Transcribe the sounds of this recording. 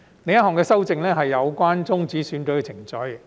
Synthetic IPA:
ne˨˧˥jɐ˥ɦɔː˨ŋkɛː˧sɐ˥wt͡sɪ˨˧ŋlɛː˥ɦɐ˨jːɐ˨˧wkʷaː˥nt͡sʊ˥ŋt͡siː˨˥syː˨˥nkɵ˨˧ɥkɛ˧t͡sʰɪ˨˩ŋt͡sɵ˨˥ɥ

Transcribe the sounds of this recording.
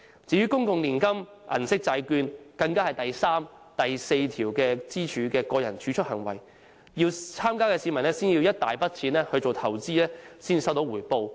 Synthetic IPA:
t͡siː˨˧jɥyː˥kʊ˥ŋkʊ˨ŋliː˨˩nkɐ˥m | ʔɐ̰˨˩nsɪ˥k̚t͡sɐ˧jkyː˧nkɐ˧ŋkaː˥hɐ˨jt̪ɐ˨jsaː˥m | t̪ɐ˨jse˧jt̪ʰiː˨˩wkɛː˧t͡siː˥t͡ʃʰyː˨˧kɛː˧kɔː˧jɐ˨˩nt͡ʃʰyː˨˥t͡ʃʰɵ˥hɐ˨˩ŋwɐ˨˩j | jiː˧wt͡sʰaː˥mkaː˥kɛː˧siː˨˧mɐ˨˩nɛ˥siː˥nji˧wjɐ˥t̚t̪aː˨jpɐ˥t̚t͡sʰiː˨˧nlɛː˥hɵ˧ɥt͡so˨wt̪ʰɐ˨˩wt͡siː˥lɛː˥siː˥ni˨˧sɐ˥wt̪o˨˥wuː˨˩jpo˧w

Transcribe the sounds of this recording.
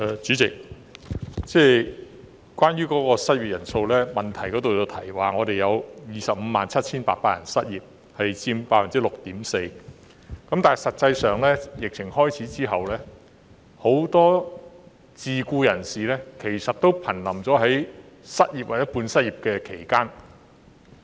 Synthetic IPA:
ʔɛː˨˩t͡ʃyː˨˥t͡sɪ̰˨k̚ | t͡sɛː˥ | kʷaː˥nɥyː˥kɔː˨˥kɔː˧sɐ˥t̚ji˨˩p̚jɐ˨˩nso˧wlɛː˥mɐ˨˩nt̪ʰɐ˨˩jkɔː˨˥t̪o˨wt͡sɐ˧wt̪ʰɐ˨˩jwaː˨ŋɔː˨˧t̪e˨jɐ˨˧wjiː˨˧sɐ˨p̚m̩˨˧maː˨nt͡sʰɐ˥t̚t͡sʰiː˥npa̰ː˧t̚paː˧˩jɐ̰˨˩nsɐ˥t̚jiː˨p̚ | hɐ˨jt͡siː˧mpaː˧t̚fiː˨˩nt͡siː˨˥lʊ˨k̚t̪iː˨˥mse˧j | kɐ˨˥mt̪aː˨˩jsɐ˨t̚t͡sɐ˧jsœː˨ŋlɛː˥jɪ˨k̚t͡sʰɪ˨˩ŋhɔː˥jt͡sʰiː˨˥t͡siː˥ɦɐ˨wlɛː˥ | ho˨˥wt̪ɔː˥ | t͡siː˨kuː˧jɐ˨˩nsiː˨˩lɛː˥kʰe˨˩jsɐ˨t̚t̪o˥wpʰɐ˨˩nlɐ˨˩mt͡sɔː˨˥ɦɐ˨˥j | sɐ˥t̚jiː˨p̚wa˨˩jɐ˥t̚puː˧nsɐ˥t̚jiː˨p̚kɛː˧kʰe˨˩jkaː˥n

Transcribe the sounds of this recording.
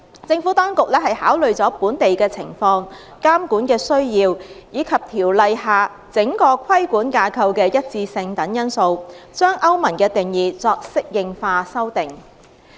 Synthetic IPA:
t͡sɪ˧ŋfuː˨˥t̪ɔː˥ŋkʊ˨k̚lɛː˥hɐ˨jhaː˨˥wlɵ˨ɥt͡sɔː˨˥puː˨˥nt̪e˨jkɛː˧t͡sʰɪ̰˨˩ŋfɔː˧ŋ | kaː˥mkuː˨˥nkɛː˧sɵ˥ɥjiː˧wjiː˨˧kʰɐ˨p̚t̪ʰiː˨˩wlɐ˧jhaː˨ | t͡sɪ˨˥ŋkɔː˧kʷʰɐ˥jkuː˨˥nkaː˧kʰɐ˧wkɛː˧jɐ˥t̚t͡siː˧sɪ˧ŋt̪ɐ˨˥ŋjɐ˥nso˧wt͡ʃœː˥ŋʔɐ˥wmɐ˨˩nkɛː˧t̪ɪ˨˩ŋjiː˨t͡sɔː˧k̚sɪ˥k̚jɪ˨ŋfaː˧sɐ˥wt̪ɪ˨˩ŋ

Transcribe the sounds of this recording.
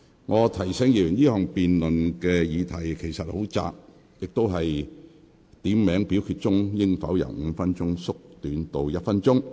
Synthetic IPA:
ŋɔː˨˧t̪ʰɐ˨˩jsɛː˨˥ŋjiː˨jyː˨˩njiː˥hœː˨ŋpiː˨nlɵ˨nkɛː˧jiː˨˧t̪ʰɐ˨˩jkʰe˨˩jsɐ˨t̚ho˨˥wt͡sa̰ː˨k̚ | jɪ˨k̚t̪o˥wɦɐ˨j | t̪iː˨˥mːɛː˨˥ŋpi˨˥wkʰy˧t̚t͡sʊ˥ŋjɪ˥ŋfɐ˨˥wjɐ̰˨˩wŋ̩˨˧fɐ˥nt͡sʊ˥ŋsʊ˥k̚t̪yː˨˥nt̪o˨wjɐ˥t̚fɐ˥nt͡sʊ˥ŋ

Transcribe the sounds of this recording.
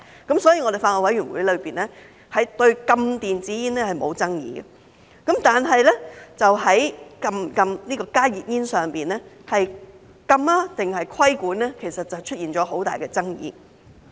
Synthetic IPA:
kɐ˨˥msɔː˨˥jiː˧ŋɔ˨˧ɾe˨faː˧tɔː˧wɐ˨˥jyː˨˩nwṵ˨˥jlɵ˨˧ɥpiː˨˩nlɛː˥ | hɐ˨˥jt̪ɵ˧ɥkɐ˧mt̪iː˨nt͡siː˨˥jiː˥nlɛː˥hɐ˨jmo̰˨˧wt͡sɐ˥ŋjḭː˨˧ɡɛ̰˨ | kɐ˨˥mt̪aː˨nɦɐ˨jlɛː˥t͡sɐ˨wɦɐ˨˥jkɐ˧mkɐ˧mniː˥kɔː˧kaː˥jiː˨t̚jiː˥nsœː˨ŋpiː˨nɛ˥ | hɐ˨j | kɐ˧maː˥t̪ɪ˨ŋhɐ˨jkʰɐ˥jkuː˨˥nɛː˥kʰe˨˩sɐ˨t̚t͡sɐ˨˩wt͡ʃʰɵ˥t̚jiː˨nt͡ʃɔː˨˥ɦo˨˥wt̪a̰ː˨˩jkɛ˧t͡sɐ˥ŋjḭː˨˧˥

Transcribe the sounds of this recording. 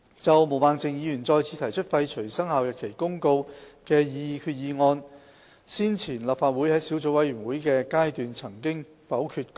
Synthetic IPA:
t͡sɐ˨wmo˨˩wmaː˨˧ŋt͡sɪ˨ŋjiː˧jyː˨˩nt͡sɔː˧jt͡sʰiː˨˧t̪ʰɐ˨˩jt͡ʃʰɵ˥t̚fɐ˧jt͡ʃʰɵ˨˩ɥsɐ˥ŋhaː˨˧wjɐ˨˩t̚kʰe˨˩jkʊ˥ŋko˧wkɛː˧jiː˧kʰyː˧t̚jiː˨˧ŋɔː˧n | siː˥nt͡sʰiː˨˩nlɐː˨˩p̚faː˧t̚wuː˨˥jhɐ˨˥jsiː˨˥wt͡so˨˥wɐ˨˥jɥyː˨˩nwuː˨˥jkɛː˧kaː˥jt̪yː˨nt͡sʰɐ˨˩ŋkɪ˥ŋ | fɐ˨˥wkʰyː˧t̚k

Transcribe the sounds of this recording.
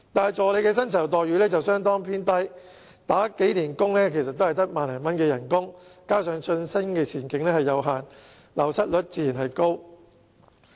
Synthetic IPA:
t̪aː˨jt͡sɔː˨˧le˨˧jkɛː˧s̬ɐ˥nt͡sʰɐ˨˩wt̪ɔː˨jyː˨˥lɛː˥t͡sɐ˨wsœː˥ŋt̪ɔː˥ŋpʰiː˥nt̪ɐ˥j | t̪aː˨˥ke˨˥jniː˨˩nkʊ˥ŋlɛː˥kʰe˨˩jsɐ˨t̪̚ːo˥hɐ˨˩jt̪ɐ˥k̚maː˨nlɛː˨˩mɐ˦˥nkɛː˧jɐ˨˩nkʊ˥ŋkaː˥sœː˨˧˥ŋsɵ˧nsɐ˥ŋkɛː˧t͡sʰiː˨˩nkɪ˨˧ŋlɛː˥hɐ˨jːɐ˨˧wɦaː˨n | lɐ˨˩wsɐ˥t̚lɵ˨˥t̚t͡siː˨˥jiː˨˩nhɐ˨jko˥w

